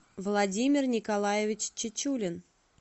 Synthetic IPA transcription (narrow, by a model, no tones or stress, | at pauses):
vlˠadʲimʲɪrnʲɪkalˠajevʲɪt͡ɕt͡ɕːɪt͡ɕulʲɪn